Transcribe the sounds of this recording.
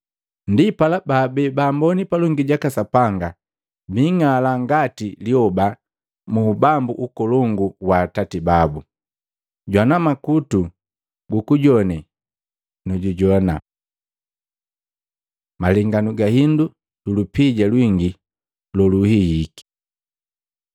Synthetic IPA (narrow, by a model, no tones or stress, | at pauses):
ndipalabaːbɛbambɔnipalɔŋɡiɟakasapaŋɡa | biŋalaŋɡatiliɔba | muːbambuʔukɔlɔŋɡuwaːtatibabu | ɟwanamakutu | ɡukuɟɔni | nɔɟuɟɔna̰ | malɛŋɡanuɡahindu | dulupiɟalwiŋɡi | lɔluhijiki̥